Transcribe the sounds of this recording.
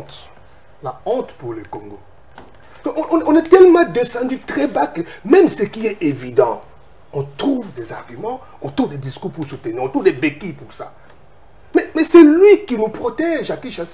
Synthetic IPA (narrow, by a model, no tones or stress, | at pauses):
t̪ | laɔ̃t̪puʁləkɔ̃ŋɡo | ɔ̃ɔ̃ʔɔ̃nɔ̃nɛt̪ɛlmɑ̃d̪esɑ̃d̪yt̪χɛbakəmɛmsəkiɛevid̪ɑ̃ | ɔ̃t̪χuvd̪ɛzaʁɡymɑ̃ | ɔ̃t̪ʁuvd̪ɛd̪iskuʁpuʁsut̪əniʁɔ̃t̪ʁuvd̪ɛbekipuʁsa̰ | mɛmɛsɛlɥikinupχɔt̪ɛʒakiʃas